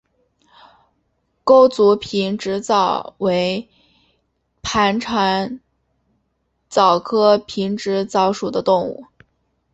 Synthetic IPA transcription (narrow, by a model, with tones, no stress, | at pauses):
ko˥ʊt͡su˧˥pʰi˧˥nʈ͡ʂɻ̩˧˥t͡sɑ˨˩ʊwe˧˥ɪ | pʰa˧˥nʈ͡ʂʰa˧˥n | t͡sɑ˨˩ʊkʰɤ˥pʰi˧˥ŋʈ͡ʂɻ̩˧˥t͡sɑ˧˥ʊʂu˨˩d̪ə˦t̪ʊ˥˧ŋṵ˥˩